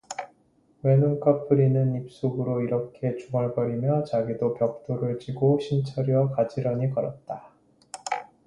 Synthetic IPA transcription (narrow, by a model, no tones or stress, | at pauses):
we̞nunkʰʌpʰɯɾinɯnip̚s͈oɡɯɾoiɾʌkʰe̞t͡ɕuŋʌɭpʌɾimjʌt͡ɕaɡidopjʌk̚t͈oɾɯɭt͡ɕiɡoɕʰint͡ɕʰʌɾiwʌkad͡ʑiɾʌɲikʌɾʌt̚t͈a